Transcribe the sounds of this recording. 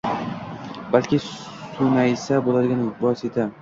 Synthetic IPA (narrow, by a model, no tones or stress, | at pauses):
balkʲʰɪssʊnaɪsabolad̪ɪɡʲanʊbɒset̪ʰa